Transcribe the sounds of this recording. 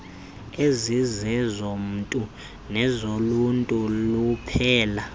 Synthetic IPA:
ezizɛzom̩tʼu | nɛzoluntʼulupʰɛːla

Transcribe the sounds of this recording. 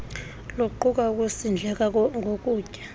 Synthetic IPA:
louǃuk̬ʼauk̬ʼusind͡ɮʱɛk̬ʼaŋʱok̬ʼuːcʼa

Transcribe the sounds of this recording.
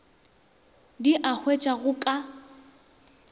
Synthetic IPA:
diʔak͡xʰwet͡ʃʼaɣʊkʼa

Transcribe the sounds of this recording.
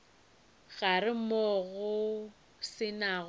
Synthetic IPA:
ɣarɪmɔɣʊ | sɪnaɣ

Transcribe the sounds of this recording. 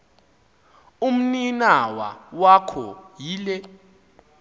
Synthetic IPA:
um̩ninawa̰wakʰɔ̰jiːlɛ

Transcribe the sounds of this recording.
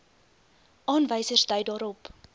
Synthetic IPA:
ʔɑːnvəjsərsdœɥdɑːɾɔp

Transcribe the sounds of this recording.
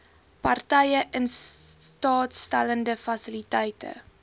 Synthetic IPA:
pɐrtɛjəʔəns | tɑːtstæləndəfɐsilitɛjtə̰

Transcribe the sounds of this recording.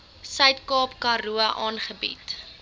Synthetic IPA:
sœɥtkɑːpkɐruəʔɑːnχəbḭt

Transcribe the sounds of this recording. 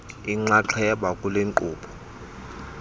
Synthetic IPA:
iŋ͡ǀaǁʰajaɓakʼuleŋǃʼuːpʰɔ̥

